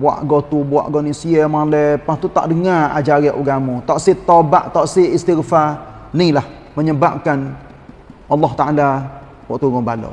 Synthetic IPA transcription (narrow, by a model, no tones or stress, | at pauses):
wa̰ʔɡɔt̪ubua̰ʔɡɔnisiəmalɛpast̪ut̪a̰ʔdəŋaa̰d͡ʒaɾaʔuɡamut̪aʔsit̪obaʔt̪ɔʔsiist̪irfanilah | məɲəbap̚kan | ʔɑlːɔht̪aʔala | bwaʔt̪uɡɔŋbalo̰